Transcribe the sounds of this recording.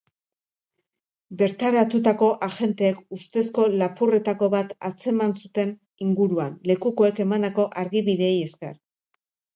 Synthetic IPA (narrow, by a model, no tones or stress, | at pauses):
be̞ɾt̪aɾat̪ut̪ako̞ʔaʝe̞nt̪e̞ːkust̪e̞sko̞lapure̞t̪ako̞βat̪at͡se̞mansut̪e̞n | iŋɡuɾuanle̞kuko̞e̞ke̞mand̪ako̞ʔaɾɣiβiðe̞ːje̞skḛr